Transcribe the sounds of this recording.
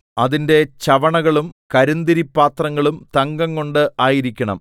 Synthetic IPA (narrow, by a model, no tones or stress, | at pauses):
ɐðinde̞t͡ɕɐʋɐɳɐɣɐɭumkɐɾund̪iɾipːaːt̪rɐŋːɐɭumt̪ɐŋɡɐŋko̞ɳɖɨʔaːjiɾikʲːɐɳɐ̰m